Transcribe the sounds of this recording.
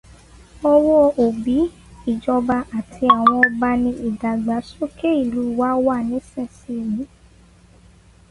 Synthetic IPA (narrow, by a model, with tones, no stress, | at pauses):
ɔ˧wɔ˦˨o˨bi˨˦ | i˦˨d͡ʒɔ˧ba˧a˨tʰi˧a˨w̃ɔ̃˧ɔ˧ba˧nĩ˧ʔi˨da˨ɡ͡ba˨˦so˦ke˦i˦˨lu˨˦˨wa˦wa˦˨nĩ˨˦sɛ˦˨si˧˦˨mĩ˨˦